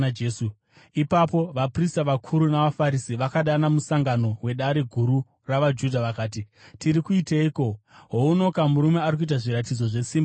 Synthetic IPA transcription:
eːsu | ipapo̞ʋapristaʋakʰuɾunaʋafaɾisiʋakaɗanamusaŋɡano̞we̞ɗaɾeɡʱuɾu | raʋad͡ʒudʱaʋakaːti | tiɾikuiteiko̞ɦoono̞kamuɾume̞aɾik̬uit̬aʐiɾat̬id͡zo̞ʐe̞siːm

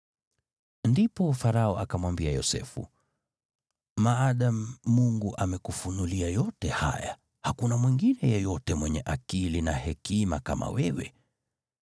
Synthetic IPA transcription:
ndipɔfaɾaɔʔakamwambiajɔ̰sɛ̰fṵ | maːɗamːuŋɡuʔamɛkufunuliajɔtɛha̰ja | hakunamwiŋɡinɛjɛjɔtɛmwɛɲɛʔakilinahɛkima̰ka̰mʔa̰wɛwɛ

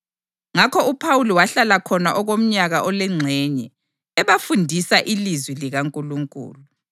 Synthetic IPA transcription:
ŋakʰɔupʰawuliwaɬalakʰɔnaʔɔɣom̩ɲaɣaʔɔlɛŋ͡ǀʱɛɲɛ | ɛβafundʱisaʔilizwiliɣaŋkʼuluŋkʼṵːlu

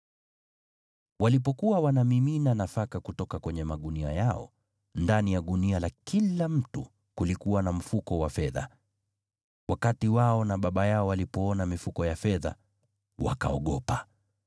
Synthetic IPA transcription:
walipɔkuwawanamiminanafakakutɔkakwɛɲɛmaɠunia̰jaɔ̰ | ndanijaɗunialakilam̩tu | kulikuwanam̩fukɔwafɛða̰ | wakatiwaɔnaɓaɓajaɔwalipɔɔnamifukɔjafɛða̰ | wa̰ka̰ɔɠɔpa

